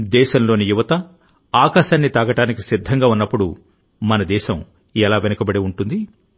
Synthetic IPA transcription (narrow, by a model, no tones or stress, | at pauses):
d̪ɛːʃɐmlo̞ːnijuʋɐt̪ɐ | aːkaːʃaːnːit̪ɐːɡɐʈaːnikisid̪ʱːɐŋɡaːunːɐpːuɽu | mɐnɐd̪ɛːʃɐm | ɛlaːʋenɐkɐbɐɽeuɳʈund̪i